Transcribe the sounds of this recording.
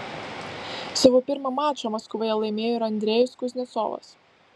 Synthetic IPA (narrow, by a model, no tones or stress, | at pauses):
sɑʋoːpʲɪɾmɐmɑːt͡ʃʲomɐskʋɐjɛlˠɐɪmʲeːjoːɪɾɐnʲd̪ʲɾʲɛjʊskʊzʲnʲɛso̰ːlˠɐ̰s